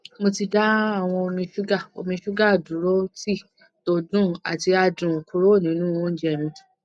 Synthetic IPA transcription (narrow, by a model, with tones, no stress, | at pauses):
mo˧ti˧da˦a˦˨w̃ɔ̃˧o˧mĩ˧ʃu˦ɡa˦˨o̰˧mĩ˧ʃu˦ɡa˦˨dũ˨˦ɾo˦ti˦˨ | to˦˧dũ˦˨a̰˨ti˧a˧dũ˨o˨ku˧˦ɾo˦˨nĩ˨˦nũ˦wɔ̃˦n̩˦d͡ʒɛ˦˨mĩ˧